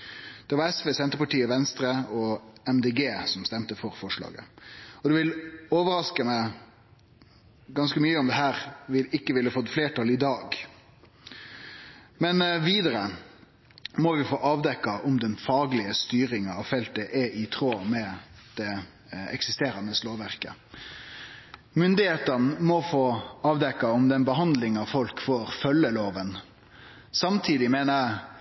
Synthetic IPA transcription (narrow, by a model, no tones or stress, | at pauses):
d̪̥ɛʋɑɾɛsʋeːsɛnt̪əpɑʈiːəʋɛnst̪ɾəɔɛmd̪eːɡeːsɔmst̪ɛmt̪əfɔɾfɔʂɭɑ̰ːɡə̰ɔd̪ʉʋɪloːʋəɾɑskəmæɪ | ɡɑnskəmyːəɔmd̪ɛɦæːɾʋɪlɪkːəʋɪləfɔt̪ːfleːʈʰɑlɪd̪ɑːɡ | mɛnʋiːd̪ɑɾə | mɔʋɪfoːʔɑːʋd̪ɛkːɑʔʊmd̪ɛnfɑːɡlɪəst̪yːɾɪŋɑʋfɛlt̪əʔɛʔɪt̪ʰɾoːmɛd̪̥ɛ | ɛ̰ksɪst̪eːɾɑnəsloːʋæɾkə̰ | mʏnd̪ɪheːt̪ənmɔfoːɑːʋd̪ɛkːɑʊmd̪ɛnbəɦɑnd̪lɪŋɑʋfɔlkfoːɾfœlːəloːʋən | sɑmt̪ʰiːd̪ɪmeːnə